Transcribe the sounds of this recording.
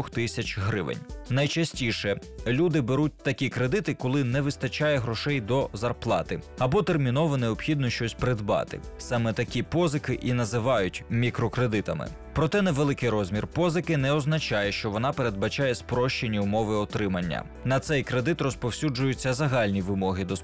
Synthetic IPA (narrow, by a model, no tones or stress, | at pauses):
ɔxt̪ɪsʲɐt͡ʃɦɾɪ̰ʋḛnʲnɐjt͡ʃɐsʲtʲiʃɛlʲud̪ɪbeɾut̚ʲt̪ɐkʲikɾe̞d̪ɪt̪ɪkɔlˠɪnɛʋɪst̪ɐt͡ʃajɛɦɾɔʃɛjd̪ɔzɐrplˠɑt̪ɪɐbɔt̪ermʲinɔʋɔneɔpxʲid̪nɔʃt͡ʃɔsʲpɾɪd̪bɑ̰t̪ɪ̰sɑmɛt̪ɐkʲipɔzɪkɪʔinɐzɪʋɑjʊtʲmʲikɾɔkɾed̪ɪt̪ɐmɪ̰ | pɾɔt̪ɛnɛʋelˠɪkɪjɾɔzʲmʲirpɔzɪkɪnɛɔznɐt͡ʃajɛʃt͡ʃɔʋɔnɑpeɾe̞d̪̚bɐt͡ʃajɛspɾɔʃt͡ʃe̞nʲːiʊmɔʋɪɔt̪ɾɪmɐnʲːɐ̰ | nɐt̪sɛjkɾed̪ɪt̪ɾrɔspɔwsʲud͡ʒʊjʊt͡sʲːɐzɐɦɑlʲnʲiʋɪmɔɦɪd̪ɔs